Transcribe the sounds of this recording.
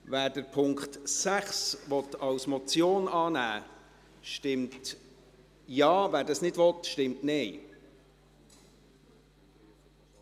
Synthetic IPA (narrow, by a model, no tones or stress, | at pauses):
væːɾdəɾpʰʊŋkχtsæχsʋɔt̪ɑwsmɔt͡sjoːnɑːnæː | ʃtɪmt | jɑːvæːɾdɑsnɪdvɔt̪ʃtɪmtnɛɪ